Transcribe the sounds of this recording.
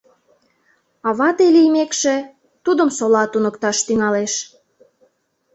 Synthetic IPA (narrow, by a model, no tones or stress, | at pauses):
ɑβɑt̪elijmekʃe | t̪ud̪əmsolɑt̪unəkt̪ɑʃt̪yŋɑleʃ